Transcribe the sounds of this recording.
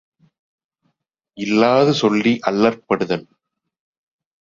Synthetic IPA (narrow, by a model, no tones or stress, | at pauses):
ʔɪlːaːðɯsɔlːiʔɐlːɐɾpɐɽɯðɐn